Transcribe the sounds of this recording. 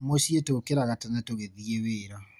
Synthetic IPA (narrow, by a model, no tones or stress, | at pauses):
moɕietokeɾaɣatɛnɛtoɣeðieweːɾɔ